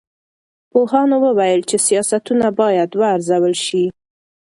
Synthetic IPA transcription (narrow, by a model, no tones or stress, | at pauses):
pohɑnowəwajəlt͡ʃesijɑsat̪unabɑjad̪waːɾzawəlʃi